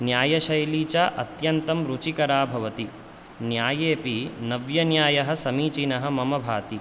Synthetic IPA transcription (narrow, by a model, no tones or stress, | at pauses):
njaːjɐʃɐjliːt͡ʃaʔɐ̰t̪jɐnt̪ɐmɾut͡ʃikɐɾaːbʱɐʋɐt̪i | njaːjeːpinɐʋjɐnjaːjɐɦɐ̆sɐmiːt͡ʃinɐɦɐ̆mɐmɐbʱaːt̪i